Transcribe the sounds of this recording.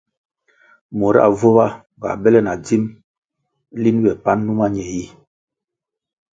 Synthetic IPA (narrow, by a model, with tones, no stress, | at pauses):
mo˨ɾa̰˦˨vo˦βa˦ | ba̰˨bɛ˦lɛ˦˨na˨d͡zi˦m | li˦n˦bɛ˨pa˦nːu˦ma˦ɲɛ˨ji˦